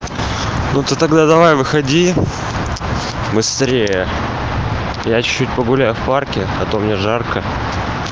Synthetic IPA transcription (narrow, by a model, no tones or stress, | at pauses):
nut̪ət̪ɐɡd̪ad̪ɐvajvɨxɐdʲi | bɨst̪ɾʲejə | jat͡ɕʊ̥t͡ɕːʉt̚ʲpəɡʊlʲæjʊfparkʲɪɐt̪o̞mnʲeʐarkə